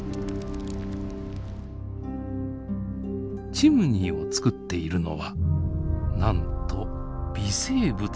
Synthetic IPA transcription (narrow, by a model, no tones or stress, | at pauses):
t͡ɕimɯ̟ɲ̟iːo̞t͡sɨ̥kɯt̪ːe̞iɾɯ̟no̞̰βa | nãnt̪ʰo̞b̥ʲise̞ːbɯ̟